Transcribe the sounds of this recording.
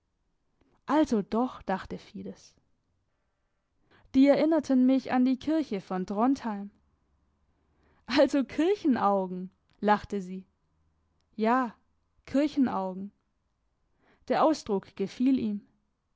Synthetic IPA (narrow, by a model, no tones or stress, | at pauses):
ʔalzod̥ɔχd̥aχtəfiːdəs | d̥iːɛɐʔɪnɐtʰənmɪça̰ndiːkʰɪɐçəfɔndʁɔnthaɪm | ʔalzokʰɪɐçn̩ʔaʊɡŋ̩ | laχtəziː | jaː | kʰɪɐçn̩ʔa̰ʊɡŋ̩ | d̥eːɐʔaʊsd̥ʁʊkɡ̥əfiːliːm